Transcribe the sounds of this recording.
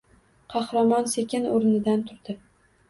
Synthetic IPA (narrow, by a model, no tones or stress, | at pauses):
qʰɑhɾɑmɒnsekʲɪnoɾnɪd̪ant̪ʰʊɾd̪̥ɪ